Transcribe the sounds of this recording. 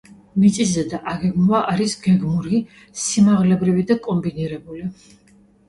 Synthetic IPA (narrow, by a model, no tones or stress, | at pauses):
mit̪sʼizɛd̪aʔaɡɛɡmvaʔaɾisɡɛɡmuɾi | simaʁlɛbɾivid̪akʼɔmbiniɾɛbuli